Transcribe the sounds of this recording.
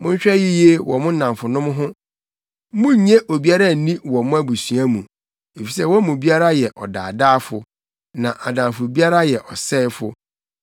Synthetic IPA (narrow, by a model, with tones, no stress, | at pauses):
mʊ̃˦ɲ̩˦ɕᶣɛ˦ji˦je˦wɔ˨mʊ̃˦n̩˦nã˨fʊ˨nʊ̃˦m˦ɦʊ̃˦ | mʊ̃˦ɲẽ˦ʔo˨bi˦a˦ɾa˦˨n̩˨nĩ˦wɔ˨mʊ̃˦æ˦bu˨sɥã˦mũ˨ | e˨fi˨sɛ˦wɔ̃˦mũ˨bi˦a˦ɾa˦jɛ˨ʔɔ˨da̰ː˨daː˦fʊ˨ | nã˨ʔa˨dã˨fʊ˨bi˦a˦ɾa˦jɛ˨ʔɔ˨sɛː˦fʊ˦